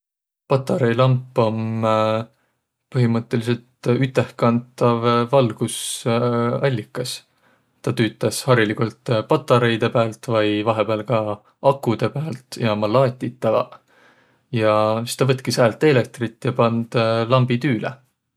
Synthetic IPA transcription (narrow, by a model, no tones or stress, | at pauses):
pɑt̪ˑːɑɾejlɑmpːˑo̞m | pɤɦimɤt̪ːˑe̞lise̞lt̪yt̪ːˑe̞hkɑnt̪ːˑɑvːɑlɡ̥us | ɑlʲːikːˑɑs | t̪ɑt̪yːt̪ːˑɑshɑɾilikult̪pɑt̪ːˑɑɾejd̪e̞pæːlt̪vɑjvɑɦe̞peːlkɑ | ʔɑkːˑud̪̥e̞pæːlt̪ˑjɑmɑlɑːt̪ʲːit̪ːɑɡɑ̰ | jɑsist̪ɑvɤt̪̚ˑkishæːlt̪ːˑe̞le̞k̚t̪rit̪ːˑjɑpɑnd̪̥lɑmbid̪yːlḛ